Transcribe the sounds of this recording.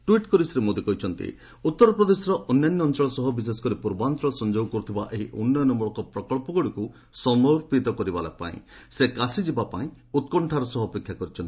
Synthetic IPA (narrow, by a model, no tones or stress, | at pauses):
ʈuwiʈkɔɾisɾemod̪ikɔɦit͡ʃʰɔnt̪ḭ | ut̪ːɔɾɔpɾɔd̪esɔɾɔʔɔnjanjɔːnt͡ʃɔɭɔsɔɦɔbis̬esɔ̥kɔɾipuɾbant̪ɔɭɔsɔnd͡ʒowkɔɾut̪ʰibaʔeɦiʔunːɔjɔnɔmbɔɭɔkɔpɾɔkɔɭpɔɡɔɽiku | sɔmɔɾpit̪ɔkɔɾibala̰pa̰ḭ̃sekasid͡ʒibapaĩ | ut̪̚kɔɳʈʰaɾɔsɔɦːpekʰjakɔɾit͡ʃʰɔnt̪i̥